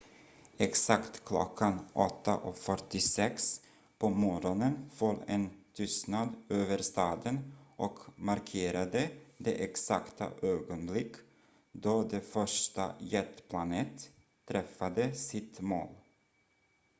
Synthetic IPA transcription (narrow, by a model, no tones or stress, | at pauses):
ɛksakt̪kʰlɔ̰kʰːanʔɔt̪ːa̰ʔɔkfœʈːɪsɛks | pʰɔmɔɾɔnənfɔlɛnt̪ʰʏst̪nad̪øːvəɾst̪ɑːd̪ənʔɔkmaɾkʰeːɾad̪əd̪eːʔɛksa̰kt̪ʰa̰ʔøːɡɔnblɪkː | d̪ɔːd̪efœʂʈa̰jɛt̪pʰlaneːt̪ʰː | ɾɛfːad̪əsɪt̪mo̰ːl